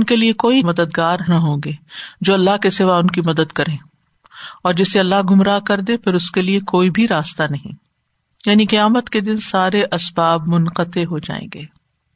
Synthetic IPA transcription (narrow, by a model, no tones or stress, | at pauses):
ʊnkeliekoːimɐd̪əd̪ɡaːɾnaɦõːɡeːd͡ʒoːɐlːaɦkesɪʋaʊnkimɐd̪əd̪kɐɾẽː | ɔːɾd͡ʒɪseɐlːaɦɡʊmɾaːkɐɾd̪epɪɾʊskeliekoːibʱiɾaːst̪anɐɦḭ̃ː | jaːniqɐjaːmət̪ked̪ɪnsaːɾeʔɐsbaːbmʊnqət̪eɦod͡ʒa̰ːḛ̃ːŋɡeː